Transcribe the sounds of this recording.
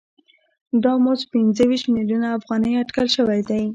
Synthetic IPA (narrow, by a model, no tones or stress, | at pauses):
d̪ɑmospɪnzəwiʃt̪miljunaːfɣɑnəjaʈkalʃəwajd̪aj